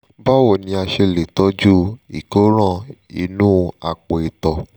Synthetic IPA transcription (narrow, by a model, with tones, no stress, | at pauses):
ba˦wɔ˦˨nĩ˧˦a˧ʃe˧le˨tɔ˦d͡ʒu˦i˨ko˦ɾ̃ã˦˨i˧nũː˦a˨k͡po˨e˨tɔ˨